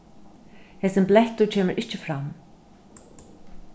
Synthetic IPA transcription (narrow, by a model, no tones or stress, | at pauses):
hɛsɪnplɛht̪ucʰɛːmɪɾʔɪht͡ɕɪfɾam